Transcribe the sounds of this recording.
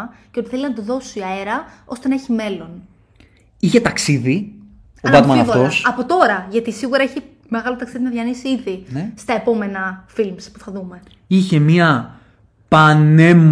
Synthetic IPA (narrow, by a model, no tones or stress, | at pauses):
ceot̪iθe̞liznɐt̪uðo̞siɐeɾɐo̞̰st̪enɐeçime̞lo̞n | içe̞t̪ɐksiði | ovɐt̪mɐnɐot̪osɐpo̞t̪o̞ɾɐʝɐt̪isiɣuɾɐeçi | me̞ɣɐlot̪ɐksiðinɐðʝɐnisiiðist̪ɐe̞po̞me̞nɐfilmspuθɐðume̞ | içe̞miɐ | pɐne̞m